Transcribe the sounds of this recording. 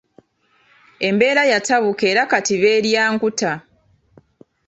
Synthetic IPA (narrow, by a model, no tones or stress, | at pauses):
e̞mbe̞ːɾajataβuke̞ːɾakatiβe̞ːɾjaːŋkuta